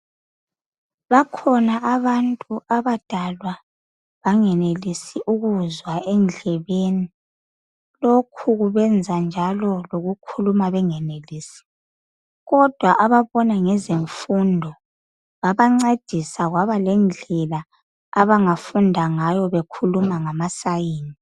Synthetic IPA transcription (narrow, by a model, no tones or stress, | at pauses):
βakʰɔnaʔaβantʼuʔaβad̥ʱalwa | βaŋɛnelisiʔuɣuzwaɛnd͡ɮʱɛβeni | lokʰuɣuβɛnd͡zʱand͡ʒʱalɔloɣukʰulumaβɛŋɛneliːsi̥ | ɣɔd̥ʱwaʔaβaβɔnaŋɛzeɱfundʱɔ | βaβaŋ͡ǀed̥ʱisaɣwaβalɛnd͡ɮʱɛla | aβaŋafundʱaŋajɔβekʰulumaŋamasajiːni